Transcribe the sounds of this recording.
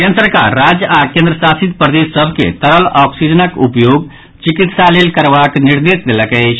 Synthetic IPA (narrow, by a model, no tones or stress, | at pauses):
kẽnsəɾka̰ɾːad͡ʒakẽnd̪ɾəsasit̪pɾəd̪esəbʱkḛt̪əɾəlɔksid͡ʒənəkupjoɡ | t͡ʃikit̪salelkəɾbakniɾd̪esd̪eləkət͡ʃʰ